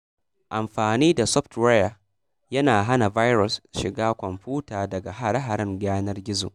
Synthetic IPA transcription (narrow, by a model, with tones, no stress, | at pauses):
ʔa˨mɸaː˨niː˦da˨sɔ˦ɸtɾa˦ja˨ | jɐ˦naː˨ɦa˦na˨va˦jɾɔ˨sʃɪ˨ɡaː˦kʷɔ˨mɸuː˦taː˨dɐ˨ɡa˨ɦa˦ɽa˦ɦa˨ɾɪ˦ŋɡaː˦nɐ˦rɡʲɪ˦zo̰˨ʔ